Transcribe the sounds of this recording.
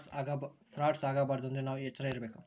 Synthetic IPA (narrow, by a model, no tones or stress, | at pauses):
saːɡabsɾaːʈsaːɡabaːɾɐd̪ond̪unaːʋuɛt͡ʃːɐɾaiɾɐbeːku